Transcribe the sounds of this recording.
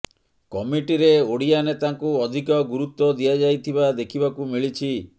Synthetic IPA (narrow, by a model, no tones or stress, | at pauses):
kɔmiʈiɾeoɽijanet̪aŋkuɔd̪ʱikɔɡuɾut̪wɔd̪ijad͡ʒajt̪ʰibad̪ekʰibakumiɭit͡ʃʰi